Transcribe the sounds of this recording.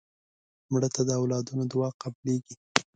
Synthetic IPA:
mɽət̪ad̪əawlɑd̪unod̪wɑqableɡi

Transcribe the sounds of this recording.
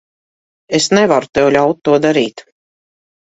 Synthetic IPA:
esnɛvaɾut̪ɛwlʲawt̪̚ːuɔd̪aɾiːt̪

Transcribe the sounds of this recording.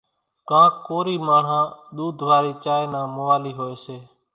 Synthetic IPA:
kãːkoːɾiːmaːɳ̤ãːɗ̪uːd̪ʱʋaːɾiːt͡ʃaːeːnãːmoʋaːliːɦoːeːseː

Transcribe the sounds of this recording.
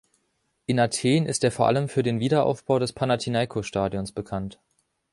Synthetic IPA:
ʔɪnatʰeːnɪstʔeːɐfoɐʔa̰ləmfyːɐdeːnviːdɐʔa̰ʊfb̥aʊdɛspʰanatʰinaɪkʰoʃtaːdjonsb̥əkʰant

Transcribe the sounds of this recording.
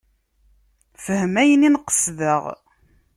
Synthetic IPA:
fəhəmæjəninqə̥sðəʁ

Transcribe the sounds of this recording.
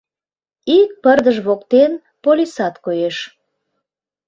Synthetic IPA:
ik̚pərd̪əʒβokt̪en | polʲisɑt̪kojeʃ

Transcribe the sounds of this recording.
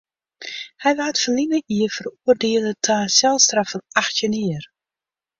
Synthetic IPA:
hɛjʋaːətfəlinəʔiəfəruərdeːəlˠətʰaːsɛlˠstrafənaxtjəniər

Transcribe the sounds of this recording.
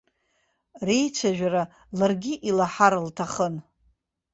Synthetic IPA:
rejt͡ʃʷʰaʒᶣaɾa | larɡʲiʔilaħaɾltʰaχən

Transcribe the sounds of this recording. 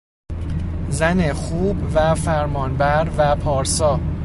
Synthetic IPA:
zænexuːbvæfæɾmɒːnbæɾvæpʰɒːɾsɒː

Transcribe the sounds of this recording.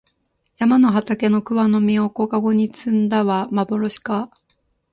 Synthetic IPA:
jamano̞ɦat̪ake̞no̞kɯ̟βano̞mʲio̞ko̞kaɡo̞ɲ̟it͡sɨ̃nd̪aβamabo̞ɾo̞ɕi̥ka

